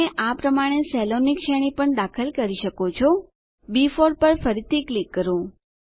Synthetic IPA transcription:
eʔapɾəmaɽ̃esɛlonikʃɛɽ̃ipəɳd̪akʰəlkəɾiʃəkot͡ʃʰo | bifoɾpəɾfəɾit̪ʰiklikːəɾõ

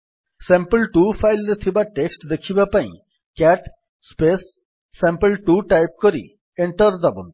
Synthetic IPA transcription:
sɛ̃mpəlʈupʰajlɾt̪ʰibaʈeksʈd̪ekʰibapaḭ̃ | kɛʈ | spesː | ẽmpəlʈuʈajp̚kɔɾḭ | eɳʈəɾd̪abṵn

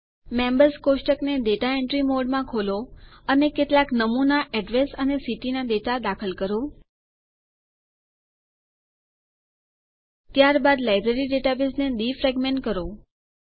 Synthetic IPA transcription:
mɛ̃mbəɾskoʃʈəkneɖ̪eʈaeɳʈɾimoɖmãkʰoloənekeʈlaknəmunaʔɛɖʋesənesiʈinad̪eʈad̪akʰəlkəɾo | t̪jaɾbad̪lajbɾeɾiɖeʈabɪsned̪ifɾɛɡmeɳʈkəɾo

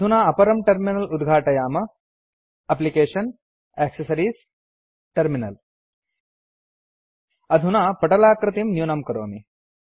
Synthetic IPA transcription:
d̪ʱunaːɐpɐɾɐmʈɐɾminɐlud̪ɡʱaːʈɐjaːmɐ | ɐplikeːʂɐn | eːksɐsɐɾiːs | ʈɐɾminɐl | ɐd̪ʱunaːpɐʈɐlaːkɾɨt̪imnjuːnɐmkɐɾoːmi

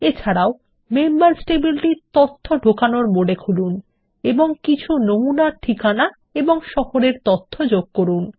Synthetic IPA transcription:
et͡ɕʰaɾao | membaɾsʈebilʈiɾt̪ot̪ʰːoɖʱokanoɾmoɖekʰulun | eboŋkit͡ɕʰunomunaʈʰikana | eboŋʃɔhoɾeɾt̪ot̪ʰːod͡ʑoɡ̚koɾun

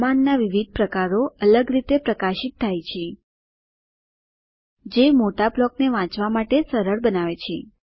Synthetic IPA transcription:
manːaʋiʋid̪̚ʱpɾəkaɾoələɡɾit̪epɾəkaʃit̪ʰːajt͡ʃʰe | d͡ʒemoʈaplɔk̚neʋãt͡ʃʋamaʈesəɾəɾbənaʋet͡ʃʰe

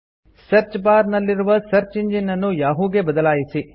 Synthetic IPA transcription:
sɐɾt͡ʃpaːɾnɐlːiɾuʋɐsɐɾt͡ʃiɲd͡ʒinɐnːujaːɦuːɡe̞bɐd̪ɐlaːjisi

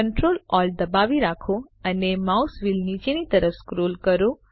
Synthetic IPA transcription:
əɳʈɾolɔld̪əbaʋiɾakʰoənemausʋilnit͡ʃenit̪əɾəfskɾolkəɾo

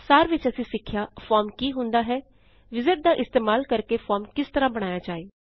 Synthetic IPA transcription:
saːɾʋɪt͡ʃəsĩːsɪkʰːjaːfʰɔːɾmkiːɦʊ̃nd̪aːɦɛː | ʋɪzɪʈ̚d̪aːʔɪst̪eːmaːlkəɾkeːfʰɔːɾmkɪst̪əɾãːbəɽ̃aːjaːd͡ʒaːeː

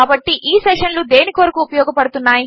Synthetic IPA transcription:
aːbɐʈːiʔiːseʂɐnlud̪e̞ːnikiʋɐɾɐkuːpɐjɔːɡɐpɐɽut̪unːaːji

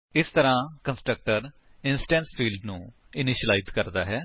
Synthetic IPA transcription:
ɪst̪əɾãːkənsʈɾək̚ʈəɾ | ɪnsʈɛ̃ːnspʰiːlɖnũː | ɪnɪʃəlaizkəɾd̪a̰ːɦɛː

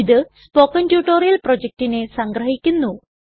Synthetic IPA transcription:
iðɨ | pokːɐndjuːʈːoːrijɐlprod͡ʑek̚tine̞sɐŋɡrɐɦikʲːunːu

